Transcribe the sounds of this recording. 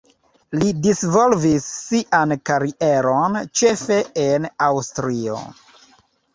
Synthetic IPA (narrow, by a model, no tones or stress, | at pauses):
lidisvo̞lvisːiʔankaɾiʔeɾont͡ʃe̞fe̞enawstɾio̰